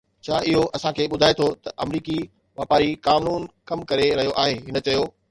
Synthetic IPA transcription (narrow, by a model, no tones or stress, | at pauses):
t͡ɕʰaːɪɦoʔɐsãkʰeːɓʊd̪ʱaːet̪ʰot̪ɐʔɐmɾiːki | ʋaːpaːɾikaːmnuːnkɐmkɐɾeɾɐɦijoʔaːɦeːɦɪnə̆t͡ɕɐjoː